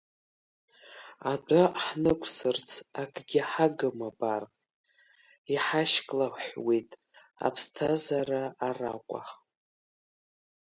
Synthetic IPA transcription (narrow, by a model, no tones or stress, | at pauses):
adʷaħnɨkʷʼʰsɨrt͡sʰakʰʼɡʲɪħaɡɨmabar | iħaʃkʼlaħwejtʼ | a̰pʰstʰazaraːra̰kʷʼa̰χ